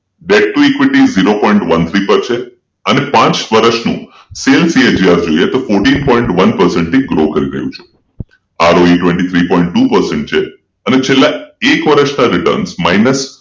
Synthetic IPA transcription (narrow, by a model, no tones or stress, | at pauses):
ɖeɖ̚ʈuekʋiʈiziɾopɔiɳʈʋənt̪ʰɾipəɾt͡ʃʰe | ənepãt͡ʃʋəɾəʃnṵ̃ | selsied͡ʒiasd͡ʒoiet̪ofoɾʈinpɔ̃iɳʈʋənpəɾsɛ̃ɳʈt̪iɡɾoɦkəɾiɾə̰jṵ̃t͡ʃʰu | aɾoiʈʋẽɳʈit̪ʰɾipɔĩɳʈʈːupəɾsɛ̃ɳʈ̚t͡ʃʰe | ənet͡ʃʰelːaekʋəɾəʃnaɾɪʈə̰ɾnsmainəs